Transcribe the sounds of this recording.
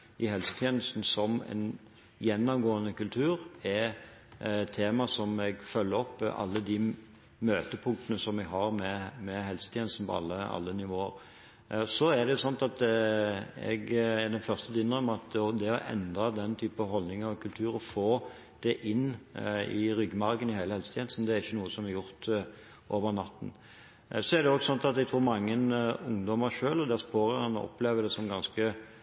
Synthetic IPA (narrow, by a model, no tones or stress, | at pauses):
ʔɪɦɛlsə̥t̪ʰjeːnəst̪n̩sɔmɛ̰n | jɛnːɔmɡoːənəkʉlt̪ʰʉːɾɛ | t̪ʰːeːmɑsɔmɛɡfœlːəɾɔpːʔɑ̰lːəd̪ɪ | møːt̪əpʰʊŋkt̪ənəsɔmɛɡɦɑɾmɛmɛɦɛlsə̥t̪ʰjeːn̩st̪n̩pʰɔ̰ɑ̰lːəɑ̰lːənɪʋoːəɾ | sɔæd̪ɛjʊsɔnt̪ɑt̪ | ɛ̰ɡɛɾd̪ɛnfœʁst̪əd̪ɪnəmɑt̪ɔd̪ɛɔʔɛ̰nd̪ɑd̪ɛnt̪ʰyːpəɦɔlnɪŋəʁɔkʰʉlt̪ʰʉːɾɔfoː | d̪̥ɛʔɪnːɪɾʏɡːmɑɾkənɪhæɪləhɛlsət̪ʰjɛnəsn̩d̪ɛæɾɪçːənuːəsɔmæɾjʊɾt̪ | ʔoːʋəʁnɑt̪ːn̩ | sɔæʁd̪ɛɔɡsɔnt̪ɑt̪ɛɡt̪ʰɾuːɾmɑŋːənʊŋd̪ɔməɾʂøːlɔd̪ɛspoːɾəɾɛnɔʔɔ̰pːleːʋəd̪ɛsɔmɡɑnskə